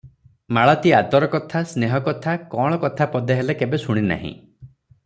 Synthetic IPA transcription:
maɭɔt̪iat̪ɔɾɔkɔt̪ʰasneɦɔkɔt̪ʰakɔɽ̃ɔkɔt̪ʰapɔd̪eɦelekebesuɽ̃ina̰ɦḭ̃

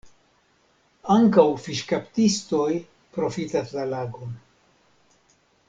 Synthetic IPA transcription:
aŋkawfiʃkaptisto̞j | pɾo̞fitaslalaɡo̞n

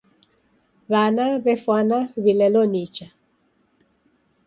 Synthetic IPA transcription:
βanaβɛfwanaβilɛlɔnit͡ʃa

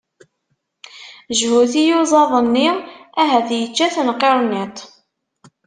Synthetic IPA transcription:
ʒhuθijuzˤɑðˤənːiæɦæθjət͡ʃːæθnqːeɾˤnit̪ˤ

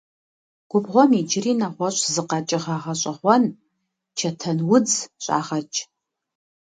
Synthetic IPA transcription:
ɡ̥ʷʊbʁʷɔmid͡ʒɪriːnaχʷɔɕʼzɨqɐt͡ʃʼɪʁaʁɐɕʼɐχʷɔn | t͡ʃʰɐtʰɐnwʊd͡zɕʼa̰ːʁɐt͡ʃʼ

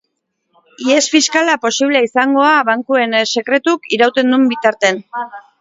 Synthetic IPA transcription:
ie̞sfiskalapo̞siβ̞leaisaŋɡo̞aβaŋkue̞nse̞kɾe̞t̪ukiɾawt̪e̞nd̪umbit̪aɾt̪e̞n

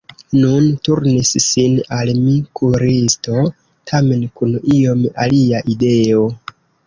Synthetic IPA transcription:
nuntuɾnisːinalmikʰuɾisto̞ | tʰame̞nkunio̞ma̰liaʔide̞o̞

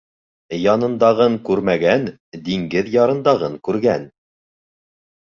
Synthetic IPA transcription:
jɑnɤ̆nd̪ɑʁɤŋkʉɾmæɡæn | d̪iŋɡɘðjɑɾɤ̆nd̪ɑʁɤŋkʉɾɡæn

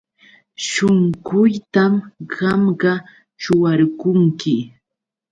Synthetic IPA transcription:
ʃoŋɢʊjt̪amɢɑmɢɑ | t͡ʃʊwaɾkʊŋkɪ

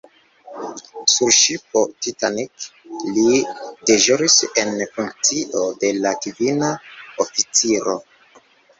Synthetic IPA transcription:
suɾʃipo̞titaniklideʒoɾise̞nfuŋkt͡siʔo̞de̞lakivinaofit͡siɾo̞

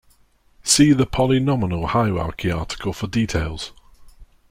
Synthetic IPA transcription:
siːðəpʰɒlɪnɒmɪnəlˠhaɪa̰ˑɹkʰiɑ̰ˑtʰɪ̥kʰəlˠfədiˑtʰeɪlˠz̥

